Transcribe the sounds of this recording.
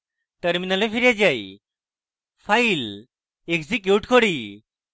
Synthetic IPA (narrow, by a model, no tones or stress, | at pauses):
təɾminalẽfiɾjad͡ʑai | fail | eɡsikjuʈkʰoɽi